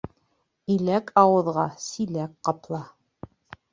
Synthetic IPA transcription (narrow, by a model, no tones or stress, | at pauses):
ilækʰɑwɤ̆ðʁɑsilækqɑplˠɑ